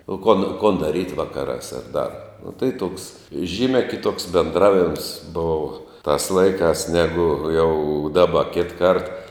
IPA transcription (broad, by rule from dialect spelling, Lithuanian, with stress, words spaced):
oː koːn koːn dɐˈrʲiːtʲ ˈʋɑːkɐrɑːs ɐr dɐr nʊ tɐɪ toːks ˈʒʲiːmʲɛ kʲɪˈtoːks bʲɛnˈdrɑːʋʲɪms ˈboːʋɐ tɐs ˈlˠɐɪkɑːs ˈnʲæːɡʊ jɛʊ ˈdɑːbɐ ˈkʲɪtˈkɐrt